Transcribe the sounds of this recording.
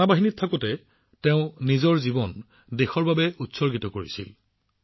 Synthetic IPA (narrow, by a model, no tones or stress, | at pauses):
abaɦinittʰːakɔtɛ | teʊ̃nizɔɹzibɔn | dexɔɹbabɛutsɔɹɡitɔkoɹḭsḭl